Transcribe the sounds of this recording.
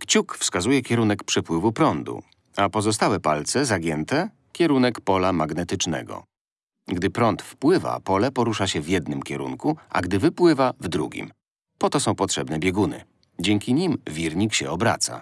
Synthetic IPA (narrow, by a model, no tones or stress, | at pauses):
kt͡ɕukfskazujɛkʲjɛɾunɛkpʂɛpwɘvupɾɔnd̪ṵ | apɔzɔst̪awɛpalt̪sɛzaɡʲjɛnt̪ɛ | kʲjɛɾunɛkpɔlamaɡnɛt̪ɘt͡ʂnɛ̰ɡɔ̰ | ɡd̪ɘpɾɔnt̪fpwɘva̰pɔlɛpɔɾuʂaɕɛvʲjɛd̪nɘmkʲɛɾṵnkuʔa̰ɡd̪ɘvɘpwɘvavd̪ɾṵɡʲḭm | pɔt̪ɔsɔ̃w̃pɔtʂɛbnɛbʲjɛɡunɘ̰ | d͡ʑɛŋkʲiɲimvʲiɾɲikɕɛɔbɾa̰t̪sa̰